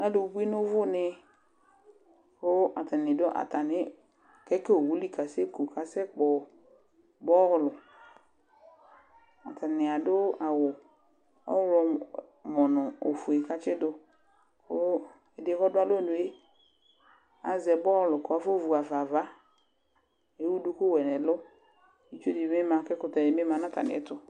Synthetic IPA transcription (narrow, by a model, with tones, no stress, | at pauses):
na˦do˨˦bu˦i˦nʊ̃˦vʊ˦nɪ˨ | xʊ˦a˨ta˨nɪ̃˨dʊ˦ʔa̰˨ta˨nɪ̃˦ | kɛ˦ke˦o˨wu˦li˦ka˨se˦ku˨ka˨sɛ˦k͡pɔ˨ | bɔ˦ɣlʊ˨ | a̰˨ta˨nɪ˨a˨dʊ˦a˨wʊ˨ | ɔ̰˦wlɔ˨ | mɔ˨nʊ̃˨o˨fu˨e˨ka˦t͡ʃɪ˦dʊ˦ | ko˦ | ɛ˨dɪ˨˦kɔ˦dʊ˦a˦lo˦˨nʊ̃˨e˦ | a̰˨zɛ˨bɔ˦ɣlʊ˨kʊ˦a˨fo˦vu˨a˨va˨va˦ | e˨˦wu˦du˦kʊ˦wɛ˨nɛ̃˨lʊ˦ | i˦t͡ʃo˦di˨bme˦mã˨kɛ˦kʊ˦tɛ˨dɪ˨me˦mã˨˦nã˦ta̰˨nɪ̰˨ɛ˦tʊ˦